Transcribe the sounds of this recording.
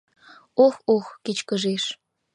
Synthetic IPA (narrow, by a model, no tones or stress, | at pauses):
oxoxkit͡ɕkəʒeʃ